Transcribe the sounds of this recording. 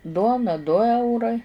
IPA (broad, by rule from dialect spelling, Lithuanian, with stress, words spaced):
ˈduɔnɐ ˈdʊ ˈɛʊrɐɪ